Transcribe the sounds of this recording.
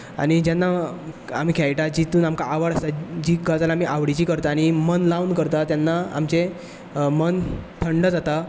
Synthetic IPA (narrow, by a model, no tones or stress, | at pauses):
a̰ɽ̃id͡ʑjanːa | am̤iːkʰajʈad͡ʑit̪uːnamkaʔaʋəɽasad͡ʑiɡad͡zalamiʔaʋɽit͡ɕiːkəɾt̪aːɽ̃imənlawnkəɾt̪at̪janːaa̰mt͡se | mənt̪ʰəɳɖəd͡zat̪a